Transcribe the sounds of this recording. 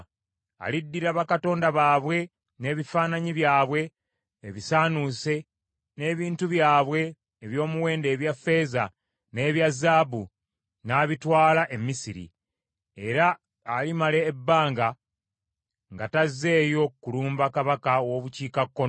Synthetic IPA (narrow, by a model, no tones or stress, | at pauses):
a̰lidːiɾaβakato̞ːndaβaːβwe̞ | ne̞ːβifaːnaɲiβjaːβwe̞ː | βisaːnuse̞ | ne̞ːβiːntuβjaːβwe̞ː | βjo̞ːmuwe̞ːnde̞ːβjafːe̞ːza | ne̞ːβjazːaːbu | naːβitwaːlaʔemːisiɾḭ | e̞ɾaː | limale̞ːbːaːŋɡa | ŋɡatazːe̞ːjo̞kuluːmbakaβakawo̞ːβuciːkakːon